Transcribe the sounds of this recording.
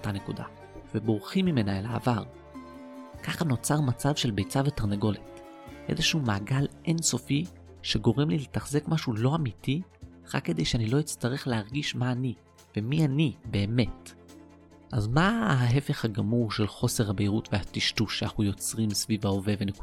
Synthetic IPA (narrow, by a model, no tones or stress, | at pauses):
otanekuda̰ | v̥ebo̞ʁχimːime̞naela̰ːvaʁ | kaχano̞t͡saʁmat͡savʃe̞lbe̞jt͡savetaʁnaɡo̞let | ʔezeʃumaːɡalʔenso̞fi | ʃe̞ɡo̞ʁemliletaχze̞kmaʃulo̞amiti | ʁa̰kːe̞de̞jʃeanilo̞it͡staʁe̞χleɦaʁɡiʃmaːni | vemianibe̞ːme̞t | ʔazmaɦaɦe̞fe̞χhaɡamuʁʃe̞lχo̞seʁhabeiʁutveatiʃtuʃeanaχnujo̞t͡sʁimsvivao̞ve̞veneku